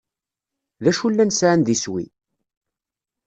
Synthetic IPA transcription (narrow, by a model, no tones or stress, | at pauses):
ðæʃulːænsʕand̪iswḭ